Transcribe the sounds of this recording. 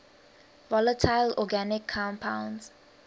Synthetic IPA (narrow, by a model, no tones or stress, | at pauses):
vɔlətʰaɪlɔɡanɪkʰːãmpʰãwnz̥